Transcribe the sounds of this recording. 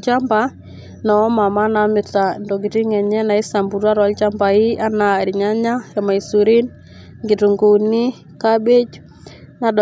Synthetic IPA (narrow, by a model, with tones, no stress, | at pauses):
t͡ʃa˦mba˨ | nɔ˨˦ma˨ma˦na˨mɪ˨ta˨ndo˨ɡi˨ti˦ŋɛ˨ɲɛ˦na˨i˦sa˨mbu˨ɾwa˦ɾɔ˦lt͡ʃa˦mba˨i˦a˦na˨ɾɪ˨ɲa˦ɲa˦ja˨ma˨i˨su˨ɾi˦n | ŋɡi˨tu˨ŋɡu˨ni˦ | ka˦be˦d͡ʒ | na˨d